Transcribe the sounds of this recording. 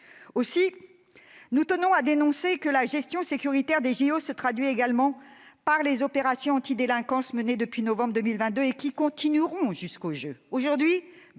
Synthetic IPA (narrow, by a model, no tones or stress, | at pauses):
osi | nut̪ənɔ̃ad̪enɔ̃sekəlaʒɛst̪jɔ̃sekʲyʁit̪ɛʁd̪eʒiosət̪χad̪ɥieɡalmɑ̃ | paʁlezɔpeʁasjɔ̃ɑ̃t̪id̪elɛ̃kɑ̃sməned̪əpɥinɔvɑ̃bʁd̪əmilvɛ̃t̪̚d̪øekʲikɔ̃t̪inyʁɔ̃ʒyskoʒøoʒuʁd̪ɥi